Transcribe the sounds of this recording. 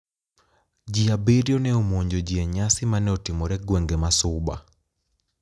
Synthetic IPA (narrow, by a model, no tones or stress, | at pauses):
d͡ʒiabeɾjonɛomoɲd͡ʒod͡ʒiɛɲasimanɛotimɔɾɛɡwɛŋɡɛmasʊba̰